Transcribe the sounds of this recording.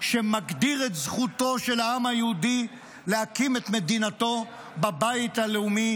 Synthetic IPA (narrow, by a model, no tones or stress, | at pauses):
ʃemaɡd̪iʁet̪zχut̪o̞ʃe̞laamhajehud̪i | lehakimet̪me̞d̪inat̪o̞ | babait̪haleumi